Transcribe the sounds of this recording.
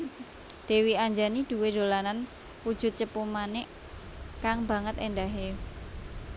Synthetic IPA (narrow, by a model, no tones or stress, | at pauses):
d̪̥e̤wiaɲd͡ʒanid̪̥ṳwed̪̥o̤lanan | wud̥ʒ̥ʊ̤t̪̚t͡ʃəpumanɛʔ | kaŋbä̤ŋət̪ḛndaɦe